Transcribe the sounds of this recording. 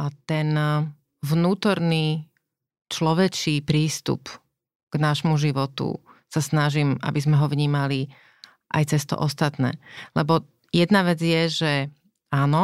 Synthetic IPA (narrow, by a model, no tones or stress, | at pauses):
at̪ɛn | vnuːt̪ɔɾniː | t͡ʃlɔʋɛt͡ʃiːpɾiːst̪ṵp | ɡ̥naʃmuʒiʋɔt̪ṵsasnaʒima̰bizmɛɦɔvɲiːmali | ʔa̰jt͡sɛst̪ɔ̰ʔɔst̪at̪nɛ̰ːlɛbɔ | jɛd̪naʋɛd͡zjɛʒɛ | aːnɔ